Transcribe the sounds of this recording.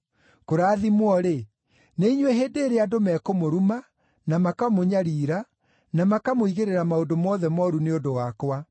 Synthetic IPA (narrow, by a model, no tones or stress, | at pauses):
koɾaðimwɔɾe | neiɲwɛɦeːdeːɾeadomɛkomoɾuma | namakamoɲaɾiːɾa | namakamoiɣeɾeɾamaodomɔːðɛmɔɾuneodowakwa